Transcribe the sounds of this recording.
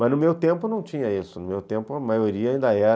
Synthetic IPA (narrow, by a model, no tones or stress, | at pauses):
mɐznʊmewt̪ẽmpʊnɐ̃w̃t͡ʃĩɲɐisʊnʊmewt̪ẽmpʊɐmajoɾiɐaĩnd̪ɐɛɾ